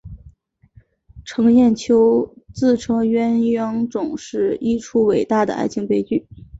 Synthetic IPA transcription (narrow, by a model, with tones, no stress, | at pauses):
ʈ͡ʂʰɤ˧˥ŋjɛ˥˩nt͡ɕʰjo˥ʊt͡sɹ̩˥˩ʈ͡ʂʰɤ˧˥ŋɥɛ˥nɥɑ˥ŋʈ͡ʂʊ˨˩ŋʂɻ̩˥˩i˥ʈ͡ʂʰu˥we˨˩ɪt̪a˥˩d̪ə̰˩ʔa̰˥˩ɪt͡ɕʰi˧˥ŋpe˥˧ɪt͡ɕy˥˩